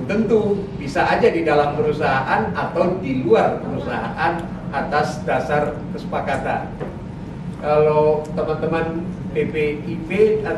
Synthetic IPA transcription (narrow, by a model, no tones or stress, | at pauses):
t̪ənt̪ubisaːd͡ʒadidalampəɾusaɦaʔanat̪awdiluarpəɾusaɦa̰ʔan | ʔat̪asdasarkəsə̥pakat̪a̰n | kalot̪əmant̪əman | pepeipe